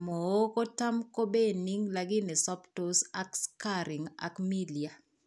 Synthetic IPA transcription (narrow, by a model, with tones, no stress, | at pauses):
mo˨o˦ko˦ta˦mko˦be˦ni˦ŋla˨ɡɪ˦nɪ˨sɔ˦ptosa˦kska˦ɾi˨ŋa̰˨kmi˦li˨a˨